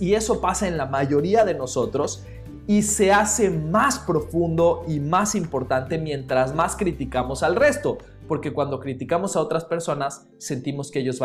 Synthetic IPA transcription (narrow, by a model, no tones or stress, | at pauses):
ie̞so̞pasae̞nlamaʝo̞ɾiaðe̞no̞so̞t̪ɾo̞s | ise̞ase̞maspɾo̞fũnd̪o̞imasimpo̞ɾt̪ant̪e̞mjẽ̞nt̪ɾazmaskɾit̪ikamo̞salre̞st̪o̞ | po̞ɾke̞kwand̪o̞kɾit̪ikamo̞sao̞t̪ɾaspe̞ɾso̞nasː | e̞nt̪imo̞skeeʝo̞zβa